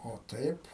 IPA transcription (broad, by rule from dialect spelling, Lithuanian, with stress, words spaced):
oː ˈtɐɪp